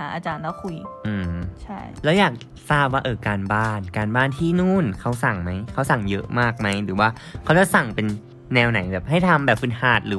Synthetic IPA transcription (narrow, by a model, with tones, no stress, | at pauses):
a˩˦ʔaː˧t͡ɕaː˧nlaː˦˥˩kʰu˧jʔɯː˧˩mt͡ɕʰa˥˩jlɛː˦˥wjaː˨˩k̚ | saː˥˩p̚waː˥˩ʔɤː˧˩kaː˧nbaː˥˩nkaː˧nbaː˥˩nt̪ʰiː˥˩nuː˥˩nkʰa˦˥wsa˨˩ŋma˦˥jkʰa˦˥wsa˨˩ŋjɤ˦˥ʔmaː˥˩k̚ma˦˥jɾɯː˩˦waː˥˩ | kʰa˦˥wt͡ɕa˨˩sa˨˩ŋpe˧nː | ɛː˧wna˨˩˦jbɛː˨˩p̚ɦa˥˩jt̪ʰa˧mbɛː˨˩p̚fɯ˨˧˩nhaː˨˩t̪̚ɾɯː˨˦